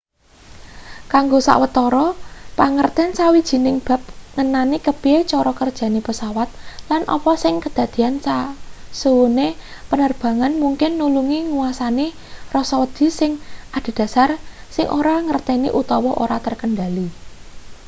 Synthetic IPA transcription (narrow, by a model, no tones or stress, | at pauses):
kaŋɡosa̰ʔwət̪ɔɾɔpaŋərt̪ɪnsawid̥ʒ̥i̤nɪŋb̥a̤p̚ŋənanikəpiet͡ʃɔɾɔkərd̥ʒ̥ä̤nipəsawat̪̚lanʔɔ̰pɔsɪŋkəd̪̥a̤d̪̥i̤ansasuwune | pənərb̥ä̤ŋanmuŋkɪnːuluŋiŋuwasani | rɔsɔwəd̪̥i̤sɪŋʔad̪̥i̤d̪̥a̤sarsɪŋʔo̰ɾaŋərt̪ɛniʔut̪ɔwɔʔoɾat̪ərkənɖali